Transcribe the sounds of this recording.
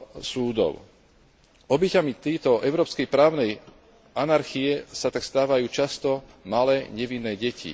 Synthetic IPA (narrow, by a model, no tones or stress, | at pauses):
suːd̪ɔ̰ʊ | ɔbɛcamit̪ɛːt̪ɔʔɛʊɾɔːpskɛjpɾaːʊnɛj | ʔanaɾxiɛsat̪akst̪aːʋajuːt͡ʃast̪ɔmalɛːɲɛʋinːɛːɟɛcḭ